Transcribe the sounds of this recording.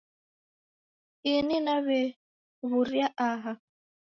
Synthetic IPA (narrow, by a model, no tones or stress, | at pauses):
ininaβɛ | βuɾjaʔaɦa